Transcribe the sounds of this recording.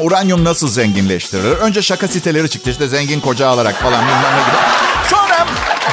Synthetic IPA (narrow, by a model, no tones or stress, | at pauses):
uɾanjomnasɯlˠzɛɲɟinlʲɛʃt̪ʰiɾilʲiɾø̞nd͡ʒɛʃakasit̪ʰe̞lʲe̞ɾit͡ʃʰɯ̥k̚t̪ʰɯʃd̪ɛzɛɲɟinkʰo̞d͡ʒaːlˠaɾakfalˠanbunlanaɡʲiɾ̰sonɾa